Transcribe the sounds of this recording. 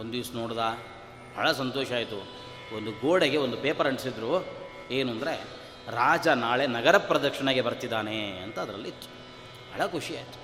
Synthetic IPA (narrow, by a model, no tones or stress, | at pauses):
ond̪iːsnoːɽd̪aː | ɐ̰ːɭɐsɐnt̪ɔːʃɐaːjt̪u | ond̪uɡoːɽeɡe̞o̞nd̪upeːpɐɾɐɳɖsid̪ɾuː | eːnuɐnd̪ɐɾe̞ | ɾaːd͡ʒɐnaːɭenɐɡɐɾɐpːɾɐd̪ɐɾkʂɐɳɐɡe̞bɐɾt̪id̪ːaːneɐnt̪ɐːd̪ɾɐ̰lːiit̪ːu̥ | hɐ̰ɭɐkʰuʂiaːjit̪u̥